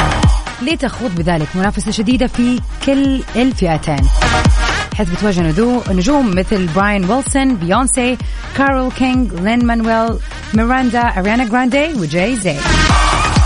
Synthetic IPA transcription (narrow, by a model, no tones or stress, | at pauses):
liːt̪axuːðˤbɪðaːlɪkmʊnaːfasaʃad̪iːd̪afikɪlːɪlfɪʔat̪ʰeːn | ħeːθbɪt̪waːʒːanʊduːnʊd͡ʒuːmːɪθlbɾaːjanwɪlsɔnbɪjoːnse | kaːɾˤɪlkɪŋɡlɪnmanwɛl | mɪɾand̪aʔaɾjaːnaɡɾaːnd̪eːwɪd͡ʒejzeː